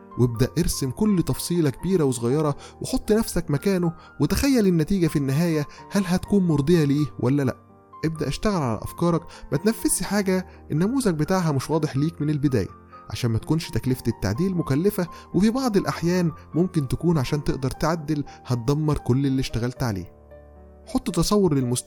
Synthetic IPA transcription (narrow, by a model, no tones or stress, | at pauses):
wʔeb̚d̪æʔʔeɾsemkolːt̪ɑfsˤiːlækebiːɾæwesˤoɣɑjːɑɾˤɑ | weħot̪ˤːnæfsækmækæːno | wet̪æxæjːælenːæt̪iːɡæfinːɪɦæːjæhælɦæt̪kuːnmoɾˤd̪ˤejɑliːwʔælːælæ̰ʔ | ʔeb̚d̪æʔeʃt̪æɣælʕalæ̰ʔæ̰fkɑːɾˤɑkmæt̪næfːesħaːɡæ | ʔenːæmuːzæk̚bet̪aːʕɦæmoʃwɑːd̪ˤeħliːkmɪnelbed̪æ̰ːjæ̰ | ʕa̰ʃæːnmæt̪ækuːnʃt̪æklɪft̪et̪ːa̰ʕd̪iːlmokælːefæ | wefibɑʕd̪ˤelʔaħjæːnmomkent̪ækuːnʕaʃæːnt̪eʔd̪ɑɾˤt̪ʕad̪ːelhæt̪̚d̪æmːɑɾˤkolːelːiːʃt̪æɣælt̪ʕa̰lḛː | ħot̪ˤːt̪ːɑsˤɑwːoɾˤlelmos